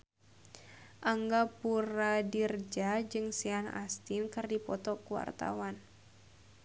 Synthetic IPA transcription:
ʔaŋɡapuɾadird͡ʒad͡ʒɨŋsiana̰st̪inkɨrdipɔt̪ɔkuwa̰rt̪a̰wan

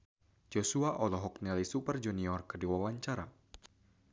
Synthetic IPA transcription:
d͡ʒosuaʔɔlɔɦɔknɛlisupərd͡ʒuniɔrkədiwawaɲt͡ʃaɾa

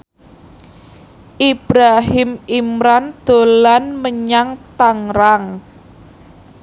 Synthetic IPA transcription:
ʔib̥ɾaɦɪmimɾand̪̥o̤lanməɲaŋt̪aŋɾaŋ

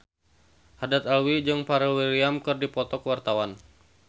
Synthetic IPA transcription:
hadat̪alwid͡ʒɨŋpaɾɛlwiliamkɨrdipɔt̪ɔkəwart̪awan

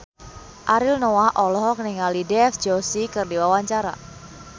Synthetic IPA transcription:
ʔaɾilnowaʔɔlɔɦɔkəniŋalidɛfd͡ʒosikərdiwawaɲt͡ʃaɾa̰

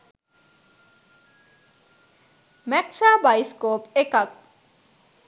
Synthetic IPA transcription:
mɛksabajskoːpekap̚

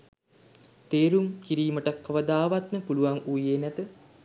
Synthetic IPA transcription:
t̪eːɾuŋkiɾiːməʈɐkːɐʋəd̪aːʋat̪məpuluʋaŋujeːnæt̪ə

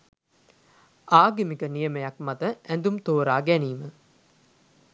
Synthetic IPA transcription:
aːɡimikənijəmejakmat̪əænd̪umt̪oːɾaːɡæniːmə

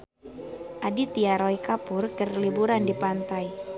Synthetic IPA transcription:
ʔadit̪iaɾɔikapʊrkərlibuɾandipant̪aj

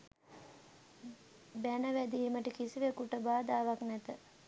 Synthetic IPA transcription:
bænəʋæd̪iːməʈikisiʋekuʈəbaːd̪aːʋaknɛt̪ə

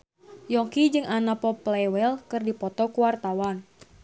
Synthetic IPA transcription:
jɔŋkid͡ʒɨŋanapɔplɛwɛlkɨrdipɔt̪ɔkuwart̪awan

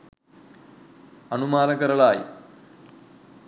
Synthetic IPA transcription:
ɐnumaːlɐkːɐɾɐɭaːjḭ

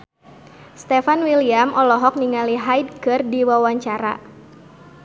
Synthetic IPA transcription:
st̪ɛfanwiliamʔɔlɔɦɔk̚niŋaliɦajdkɨrdiwawaɲt͡ʃaɾa̰

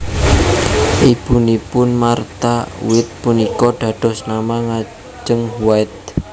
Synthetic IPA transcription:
ʔib̥ṳnipʊnmart̪a̰wɪt̪̚punikɔɖ̪̥ä̤ɖ̪̥ɔ̤snamaŋḁ | d͡ʒəŋhuwaɪt̪̚

